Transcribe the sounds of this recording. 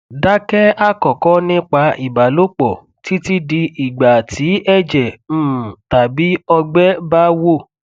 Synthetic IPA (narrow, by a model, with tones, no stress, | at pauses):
da˦kɛ˦a˦kɔ˨kɔ˦nĩ˦k͡pa˧i˨ba˨lo˦k͡pɔ˨ | ti˦ti˦di˧i˨ɡ͡ba˨ti˨˦ɛ˦d͡ʒɛ̃˨˦˨ta˨bi˨˦ɔ˧ɡ͡bɛ˦ba˦wo˦˨